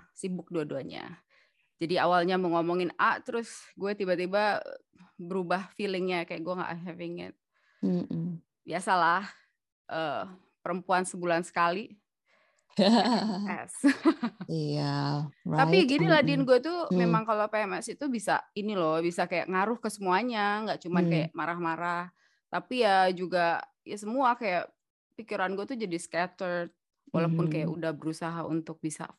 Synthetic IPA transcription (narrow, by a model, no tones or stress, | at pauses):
sibʊk̚duaduaɲa̰ | d͡ʒadiawalɲaməŋomɔŋɪnaʔt̪əɾʊsɡuɛt̪ibat̪iba | bəɾubahfilɪŋɲakajaʔɡuɛŋɡa̰ʔɦɛvɪŋɪ̰t̪̩̚ | biasalah | ʔə | pəɾəmpuansəbulansə̥kali | ɛ̰s | iat̪aiaɡiniladinɡuat̪umemaŋkalopeɛmɛsit̪ubisa̰inilɔbisakaja̰ʔŋaɾʊhkəsəmuaɲaŋɡaʔt͡ʃumankajaʔmaɾahmaɾah | t̪apijad͡ʒuɡa | jasəmuakajaʔ | pikiɾanɡuat̪ud͡ʒadiskat̪ərt̪̚ | wʔalapʊnkajaʔudahbəɾusaɦaṵnt̪ʊk̚bisa̰